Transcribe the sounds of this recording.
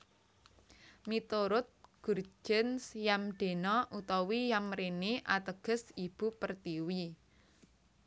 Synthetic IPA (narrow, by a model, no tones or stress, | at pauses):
mit̪oɾʊt̪̚ɡ̥urd͡ʒʒ̥ə̤nsjamɖ̥e̤nɔʔut̪ɔwijamɾeniʔat̪əɡ̥ə̤sib̥ṳpərt̪iwi